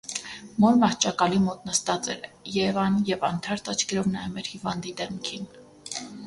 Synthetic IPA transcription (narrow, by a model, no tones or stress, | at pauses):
mɔɾmɑht͡ʃɑkɑlimɔt̪nəst̪ɑt͡sɛ̰ɾjɛɛvɑnjɛvɑnt̪ʰɑɾt̪ʰɑt͡ʃʰkɛɾɔvnɑjɛmɛɾhivɑnd̪id̪ɛmkʰin